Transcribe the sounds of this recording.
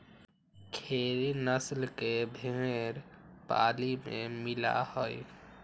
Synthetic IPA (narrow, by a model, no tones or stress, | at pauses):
kʰeːɾinəslkebʱeɾpa̰ːlimḛ̃mɪla̰hoj